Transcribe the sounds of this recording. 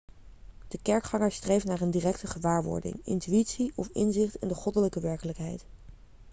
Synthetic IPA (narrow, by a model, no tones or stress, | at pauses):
d̥əkɛɹkχɑŋəɹstrejfnaːrəndirɛk̚təχəʋaːɹʋɔ̰ɹdɪ̰ŋɪ̰ntyitsiɔfɪ̰nzɪχtɪ̰ndəχɔdələkəʋɛɹkələkɦɛjt